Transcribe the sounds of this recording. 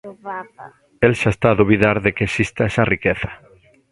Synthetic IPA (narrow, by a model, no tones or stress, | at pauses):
elʃaest̪aːðuβiðaɾðekeːsist̪aɛsarikeθḁ